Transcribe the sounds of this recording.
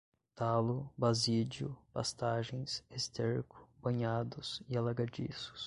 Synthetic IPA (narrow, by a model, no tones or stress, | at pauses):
t̪alʊbazid͡ʒʊ̰past̪aʒẽj̃sest̪eɾkʊ̥b̥ɐ̃ɲad̪ʊsialaɡad͡ʒḭsʊ̥s